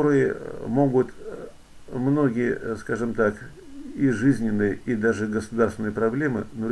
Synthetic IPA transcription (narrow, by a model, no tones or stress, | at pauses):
oɾɨjə̰mo̞ɡʊt̪ | mno̞ɡʲɪjə̰skaʐɨmt̪ak | ɪʐɨzʲnʲɪnːɨjəid̪aʐɨɡəsʊd̪aɾrst̪ʲɪnəjəpɾɐblʲe̞mɨ̰noɾʲ